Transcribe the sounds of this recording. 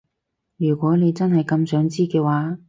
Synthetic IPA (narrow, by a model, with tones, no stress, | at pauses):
jyː˨˩kʷɔː˨˥ne˨˧jt͡sɐ˥nɦɐ˨jkɐ˧msœː˨˥ŋt͡siː˥kɛː˧waː˨˥